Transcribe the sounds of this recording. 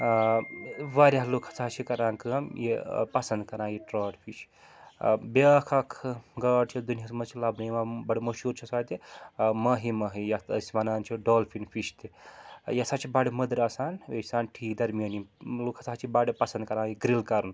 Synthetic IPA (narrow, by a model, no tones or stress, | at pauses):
ʋaɾʲaɦlokʰɐ̥t͡saɦt͡ʃʰikɐɾaːŋkəmjepɐsɐnd̪̚kɐɾãːjiʈɾɐːʈpʰiʃ | bekʰakʰɡɐːɖt͡ʃʰid̪unijasmɐt͡ʃʰilabnɐjimabɐɽemɐʃuːɾt͡ʃʰisaːt̪emɐɦimɐɦijɐt̪ɐ̰sʲiʋɐnaːnt͡ʃʰiɖoːlfʰinfʰiʃt̪ijɐsaːt͡ʃʰibaːɽemɐd̪ɾɐsaːnʋesaːnʈʰiːkd̪ɐɾmijɐniloːkʰɐ̥t͡saɦt͡ʃʰibaɽepɐsɐnd̪kɐɾaːjiɡɾilkɐɾun